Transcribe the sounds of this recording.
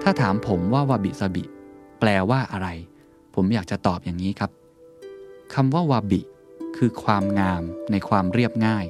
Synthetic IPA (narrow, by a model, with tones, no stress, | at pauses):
t̪ʰaː˥˩t̪ʰaː˩˦mpʰo˩˦mwaː˥˩waː˧bi˨˩sa˧bḭ˨˩ʔplɛː˧waː˥˩ʔa˧ɾa˧j | pʰo˩˦mjaː˨˩k̚t͡ɕa˨˩t̪ɔː˨˩p̚jaː˨˩ŋiː˦˥kʰa˦˥p̚ | kʰa˧mwaː˥˩waː˧bi˨˩kʰɯː˧kʰwaː˧mŋaː˧mna˧jkʰwaː˧mɾi˥˩əp̚ŋaː˥˩j